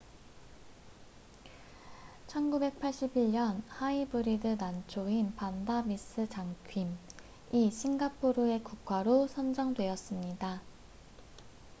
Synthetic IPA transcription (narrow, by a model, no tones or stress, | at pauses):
t͡ɕʰʌnɡube̞k̚pʰaɭɕ͈ibiɭɲʌnhaibɯɾidɯnant͡ɕʰoinpandamis͈ʰɯt͡ɕaŋkʰɥim | iɕʰinɡapʰoɾɯe̞kuk̚k͈waɾosʰʌnd͡ʑʌŋdwe̞ʌs͈ɯmɲida